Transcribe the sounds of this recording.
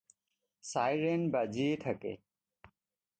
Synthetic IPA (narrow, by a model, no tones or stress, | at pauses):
sajɾenbad͡ʒieʈʰɐkḛ